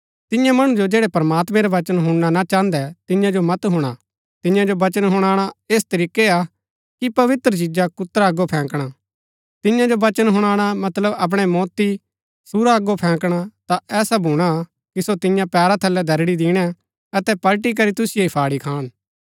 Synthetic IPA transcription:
t̪ɪjãmɐɽ̃ũd͡ʒod͡ʒeːɽɛpɾəmaːt̪mɛ̃ɾaʋɐt͡ʃənɦʊɽɽ̃anat͡ʃãːnd̪ɛt̪ɪ̃jãd͡ʒomɐt̪ɦʊ̃ɽ̃a | t̪ɪjãd͡ʒobɐt͡ʃənɦʊɽ̃aːɽ̃aeːst̪ɐɾiːkea | kipɐʋɪt̪ɾət͡ʃɪd͡ʒakʊt̪ːɾaːɡopʰɛ̃ːkɽ̃a | t̪ɪjãd͡ʒoʋɐt͡ʃənɦʊɽ̃aːɽ̃amɐt̪ləbɐp̬ɽ̃ɛmɔːt̪i | suɾaɐɡopʰɛ̃ːkɽ̃at̪aɛːsabʱũɽ̃a | kisot̪ɪjãpɛːɾat̪ʰɐlːɛd̪ʱɐɾɽid̪iːɽ̃ɛ | ɐt̪ɛpɐlʈ̬ik̬ɐɾit̪ʊsɪjeipʰaːɽikʰaːɽ̃

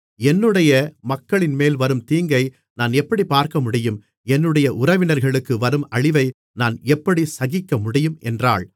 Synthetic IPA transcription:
ɛnːɯɽɐjɐmɐkːɐɭɪnmeːlʋɐɾɯmt̪iːŋɡɐɪ | naːnɛpːɐɽipːaːɾkɐmʊɽɪjɯm | ɛnːɯɽɐjɐʔʊɾɐʋɪnɐɾɣɐɭɯkːɯʋɐɾɯmɐɻɪʋɐɪ | naːnɛpːɐɽisɐɣɪkːɐmʊɽɪjɯmɛndra̰ːɭ

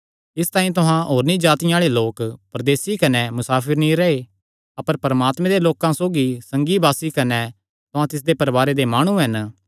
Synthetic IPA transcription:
ɪst̪ãːĩt̪ʊɦãɦoːɾnĩd͡ʒaːt̪ɪjãaːɭeloːkpɾɐd̪eːsikɐnɛmʊsaːpʰɪɾnĩɾɐe | ɐpəɾpɐɾəmaːt̪mɛ̃d̪eloːkãsoːɡisɐ̃ŋɡibaːsikɐnɛ | t̪ʊɦãt̪ɪs̬d̪epɐɾbaːɾed̪emaːɽ̃ũɦɐn

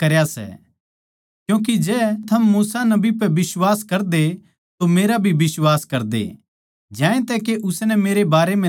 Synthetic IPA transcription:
kɐɾjasɛ̰ | kjũːk̬id͡ʒɛːt̪ʰɐmːuːsanɐbipɛʋɪswaːskɐɾd̪e | t̪omeːɾabʱibɪswaːskɐɾd̪ḛ | d͡ʒjãːẽt̪ɛːkeʔʊsnɛmeːɾebaːɾemɛ̃

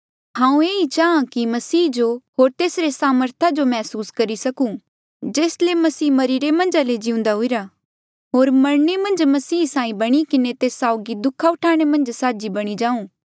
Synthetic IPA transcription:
ɦãːũeːit͡ʃaːãkimɐsiːd͡ʒoɦoːɾt̪eːsɾesaːməɾt̪ʰad͡ʒomɛːsuːskɐɾisɐkũ | d͡ʒeːslemɐsiːmɐɾiːɾemɐ̃nd͡ʒaled͡ʒɪʊ̃nd̪aɦʊiɾa | ɦoːɾmɐɾɳemɐ̃nd͡ʒmɐsiːsãːĩbɐɽ̃ikɪnet̪eːsaːʊɡid̪ʊkʰːaʊʈʰaːɽ̃emɐ̃nd͡ʒsaːd͡ʒibɐɽ̃id͡ʒãːũː

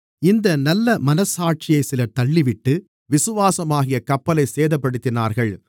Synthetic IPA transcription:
ɪnd̪ɐnɐlːɐmɐnɐsaːʈ̚t͡ʃɪjɐɪsɪlɐt̪ɐɭːɪʋɪʈːɯ | ʋɪsɯʋaːsɐmaːɣɪjɐkɐpːɐlɐɪseːðɐpːɐɽɯt̪ːɪnaːɾɣɐɭ

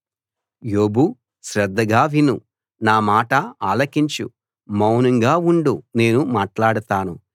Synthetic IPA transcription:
joːbu | ʃɾɛd̪ːɐɡaːʋinu | naːmaːʈɐaːlɐkiɲt͡ʃṵ | mɐwnɐŋɡaːuɳɖune̞ːnumaːʈlaːɽut̪aːnu

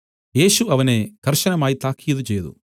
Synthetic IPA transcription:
je̞ːʃuɐʋɐneːkɐɾʂɐnɐmaːjit̪aːkʰijɐd̪ut͡ʃeːjɐd̪ṵ

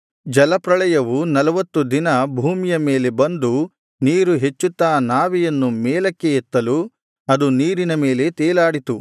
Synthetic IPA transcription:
d͡ʒɐlɐpɾɐɭɐjɐʋunɐlɐʋɐt̪ːud̪inɐbʱuːmijɐme̞ːle̞bɐnd̪u | niːɾuɦe̞t͡ʃːut̪ːaːnaːʋijɐnːumɛːlɐkːejɛt̪ːɐlu | ɐd̪uniːɾinɐme̞ːle̞t̪ɛːlaːɽit̪u

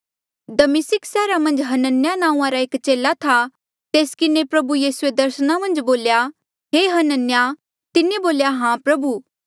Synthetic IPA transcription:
d̪ɐmɪsɪksɛːɾamɐ̃nd͡ʒɦɐnənjanãːũãɾaeːkt͡ʃeːlat̪ʰa | t̪eːskɪnepɾɐbujiːsued̪ɐɾsnamɐ̃nd͡ʒboːlja | ɦeːɦɐnənja | t̪ɪneboːljaɦãːpɾɐbuː

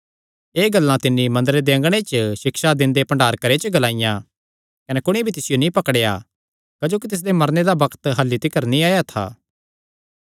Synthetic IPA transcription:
eːɡɐlːãt̪ɪnːimɐ̃nd̪əɾed̪eɐ̃ŋɡɽ̃et͡ʃəʃɪkʃad̪ɪ̃nd̪epɐ̃ɳɖaːɾkɐɾet͡ʃəɡɐlãːɪjã | kɐnɛkʊɽ̃ibʱit̪ɪsɪjonĩpɐkɽeja | kɐd͡ʒoːkit̪ɪs̬d̪emɐɾned̪abɐkt̪ɦɐlːit̪ɪkːəɾnĩaːjat̪ʰa̰ː

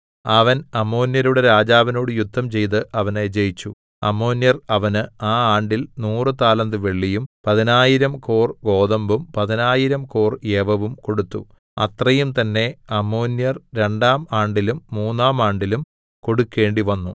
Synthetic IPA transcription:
ɐʋɐnɐmːo̞ːnjɐɾuɽeɾaːd͡ʑaːʋɐno̞ːɽɨjud̪ʱːɐmt͡ɕe̞jt̪ɨʔɐʋɐned͡ʑejit͡ɕːu | ɐmːo̞ːnjɐrɐʋɐnɨaːaːɳɖilnuːrɨt̪aːlɐnd̪ɨʋe̞ɭːijumpɐðinaːjiɾɐmkoːrɡo̞ːðɐmbumpɐðinaːjiɾɐmkoːrjeːʋɐʋumko̞ɽut̪ːu | ɐ̰t̪rɐjumt̪ɐnːe̞ɐmːoːnjɐrɾe̞ɳɖaːmaːɳɖilumːuːnːaːmaːɳɖilum | ko̞ɽukːe̞ːɳɖiʋɐnːu

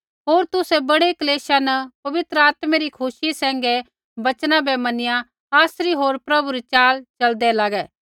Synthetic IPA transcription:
ɦoːɾt̪ʊsɛbɐɽekleːʃanɐpɐʋɪt̪ɾəaːt̪meɾikʰʊʃisɛ̃ːŋ̆ɡɛ | bɐt͡ʃnãbɛmɐnɪja | aːsɾiɦoːɾpɾɐbuɾit͡ʃaːlt͡ʃɐld̪ɛlaːɡɛː

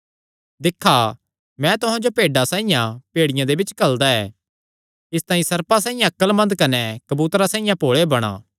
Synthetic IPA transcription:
d̪ɪkʰːa | mɛ̃t̪ʊɦãd͡ʒopeːɖasãːijãpeːɽɪjãd̪ebɪt͡ʃkɐld̪aɛː | ɪst̪ãːĩsɐɾpas̬aːĩjãɐkːəlmɐ̃nd̪kɐnɛkɐbuːt̪ɾasaːĩjãpoːɭebɐɽ̃a̰ː

